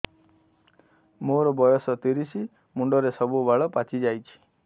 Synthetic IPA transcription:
moɾɔbɔjɔsɔt̪iɾisi | muɳɖɔɾesɔbubaɭɔpat͡ʃid͡ʒajt͡ʃʰi̥

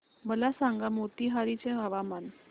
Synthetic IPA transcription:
məlasaŋɡamot̪iɦaɾit͡ɕẽɦəʋaman

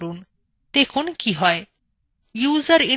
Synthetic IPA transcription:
ɾuːn | t̪ekʰuːnkiɦɔj | juːzəɾi

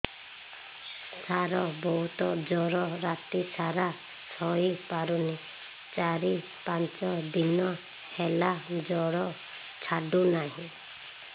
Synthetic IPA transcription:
saɾɔbɔɦut̪ɔd͡ʒɔɾɔɾat̪isaɾa | t͡ʃʰɔipaɾuni | t͡ʃaɾi | pãnt͡ʃɔd̪inɔ | helad͡ʒɔɽɔ | t͡ʃʰaɖunaɦĩ

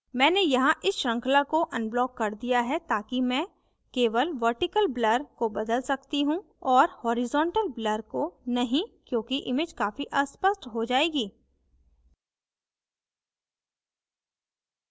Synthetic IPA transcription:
mɛ̃ːnejɐɦãʔɪsʃɐ̃ŋkʰlakoʔɐ̃nblɔːkːɐɾd̪ijaɦɛt̪aːkimɛ̃ː | keːʋəlʋɐɾʈɪkəlblɐɾkobɐd̪əlsɐkt̪iɦũ | ɔːɾhɔːɾɪzɔ̃ːɳʈəlbləɾkonɐɦĩkjõːkiʔɪmɪd͡ʒkaːfiʔɐspəsʈɦod͡ʒaːeːɡiː

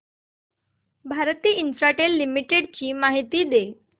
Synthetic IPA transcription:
bʱaɾt̪iːinsɾaʈelːimiʈeɽt͡ɕiːmaɦit̪iːd̪e

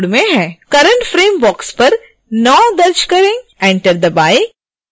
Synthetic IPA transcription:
ɽmẽɦɛ̃ːkɐɾə̃ɳʈfɾeːmbɔːkspɐɾ | nɔːd̪ɐɾd͡ʒkɐɾẽɛ̃ːɳʈəɾd̪ɐbaːɪ

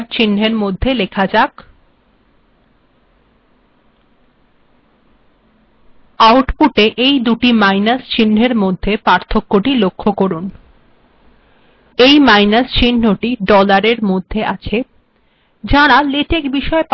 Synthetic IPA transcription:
ɾt͡ɕin̤eɾmod̪ʱːelekʰad͡ʑak | awʈpuʈeʔejd̪uʈimajnast͡ɕin̤ːʱeɾmod̪ʱːepaɾt̪ʰokːoʈilokʰːokoɾun | ejmajnast͡ɕin̤oʈiɖɔlaɾeɾmod̪ʱːeʔat͡ɕʰe | d͡ʑaɽalet̪ekbiʃɔep

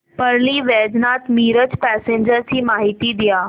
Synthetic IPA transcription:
pəɾliːʋɛːd͡ʑnat̪miːɾət͡ɕpɛseɲd͡ʑəɾt͡ɕiːmaɦit̪iːd̪ijaː

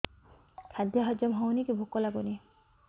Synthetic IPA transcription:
kʰad̪jaɦɔd͡ʒɔmɦɔwnikebʱukːɔlaɡoni

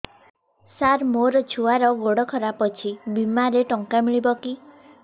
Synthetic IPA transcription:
saɾmoɾɔt͡ʃʰuaɾɔɡoɽɔkʰɔɾapɔt͡ʃʰibimaɾeʈɔŋkamiɭibɔki

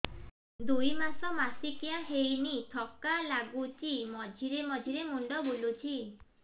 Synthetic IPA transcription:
d̪ujmasɔmasikijaɦejnit̪ʰɔkalaɡut͡ʃimɔd͡ʒʱiɾemɔd͡ʒʱiɾemuɳɖɔbolut͡ʃʰi

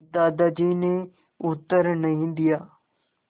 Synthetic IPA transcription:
d̪aːd̪ad͡ʑiːne | ʊt̪əɾnɐɦĩnd̪ijaː

